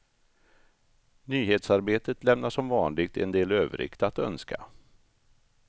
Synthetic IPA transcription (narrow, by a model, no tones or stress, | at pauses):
nyːɦeːt̪saɾbeːt̪ət̪lɛmnaʂɔmvɑːnlɪɡ̚t̪ɛ̰nd̪eːløːvə̰ɾɪ̰kt̪at̪œnskʰa̰